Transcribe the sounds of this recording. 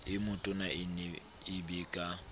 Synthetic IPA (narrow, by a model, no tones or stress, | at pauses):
ɪmʊtʼʊnaɪnɛ | ɪbeːkʼa